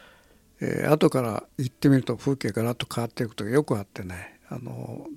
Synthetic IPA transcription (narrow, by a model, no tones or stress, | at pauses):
ḛa̰t̪o̞kaɾa̰it̪ːe̞mʲiɾɯ̟t̪o̞ɸɯːkʲiɡaɡaɾat̪ːo̞kʰaat̪ːe̞ɯkot̪oɡajo̞kɯ̟at̪ːe̞ne | a̰no̰